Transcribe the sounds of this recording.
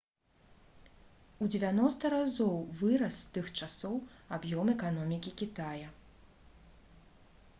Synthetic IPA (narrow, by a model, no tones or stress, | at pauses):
ud͡zʲɪvʲanɔst̪ɐɾazɔwvɨɾɐsːt̪ɨxt͡ʂasɔwabjɔmɛkanɔmʲikʲikʲit̪ajɐ